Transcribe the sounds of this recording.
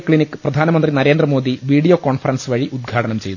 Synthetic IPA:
kɭinikːɨ̥prɐd̪ʱaːnɐmɐnd̪rinɐɾeːnd̪rɐmo̞ːd̪iʋiːɽijoːkoːɳfɐrɐnsʋɐɻiʔud̪̚ɡʱaːʈɐnɐmt͡ɕe̞jt̪

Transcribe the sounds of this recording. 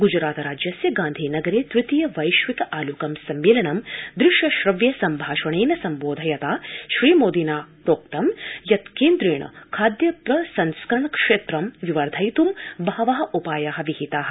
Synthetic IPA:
ɡud͡ʒɾaːt̪ɾaːd͡ʒjɐsjɐɡaːnd̪ʱiːnɐɡɐɾeːt̪ɾɪt̪ijɐʋɐjʃʋit̪ɐʔaːlukɐmsɐmːeːlɐɳɐmd̪ɾɪʃjɐʃɾɐʋjɐsɐmbʱaːʃɐɳeːnɐsɐmboːd̪ʱɐjɐt̪aːʃɾiːmoːd̪inaːpɾoːkt̪ɐmjɐt̪keːnd̪ɾeːɳɐ̰kʰaːd̪jɐpɾɐsɐnskɾɐɳɐkʂeːt̪ɾɐmʋiʋɐɾd̪ʱɐjt̪umbʱaːɐʋɐɦɐ̆ʔupaːjaːɦɐ̆ʋiɦit̪aːɦɐ̆

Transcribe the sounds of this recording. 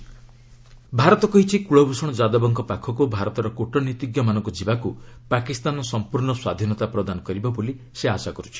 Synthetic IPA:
bʱaɾɔt̪ɔkɔɦit͡ʃʰikuɭɔbʱusɔɽ̃ɔd͡ʒad̪ɔbɔŋkɔpakʰɔkubʱaɾɔt̪ɔɾɔkuʈɔnit̪iɡjɔmanɔŋkɔd͡ʒibakupakist̪anɔsɔmpuɾɳɔswad̪ʱinɔt̪apɾɔd̪anɔkɔɾibɔboli | seasakɔɾut͡ʃʰi̥

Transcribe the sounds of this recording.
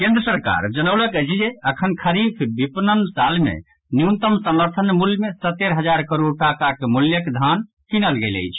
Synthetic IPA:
kẽnd̪ɾəsəɾka̰ɾd͡ʒənəwləked͡ʒieəkʰənkʰəɾipʰbipnənsalmḛ | njunt̪əmsəməɾt̪ʰənmuljmesət̪ːeɾɦəd͡ʒaɾkəɾoʈakakemuljəked̪ʱan | kinəlɡelə̰jt͡ʃʰ

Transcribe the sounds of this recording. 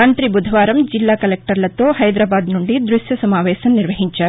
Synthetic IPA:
aːnt̪ɾibud̪ʱɐʋaːɾɐmd͡ʒilːaːkɐlek̚ʈɐɾlɐt̪ːoːhɐjd̪ɾaːbaːd̪nuɳɖid̪ɾuʃjɐsɐmaːʋɛːsɐmniɾʋɐɦiɲt͡ʃɐ

